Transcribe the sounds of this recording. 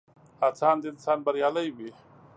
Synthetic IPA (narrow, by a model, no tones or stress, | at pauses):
at͡sʰaːnd̪iːnsaːnbɐɾjaːlɐjbi